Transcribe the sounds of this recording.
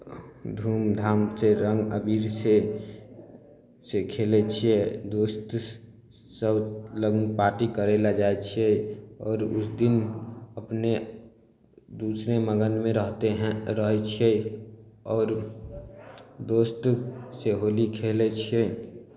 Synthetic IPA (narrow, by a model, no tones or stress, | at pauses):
d̪ʱuːmd̪ʱaːmseɾəŋɡəbiːɾse | sekʰelet͡ʃʰied̪oːst̪ | səbləɡnpaːʈikəɾelad͡ʒaːet͡ʃʰiɛɔːɾʊ̰sd̪ɪnəpne | d̪uːsɾeməɡənmẽɾəɦt̪eɦɾəɦɛt͡ʃʰiɛ | ɔːɾ | d̪oːst̪seɦoːlikʰeːlet͡ʃʰe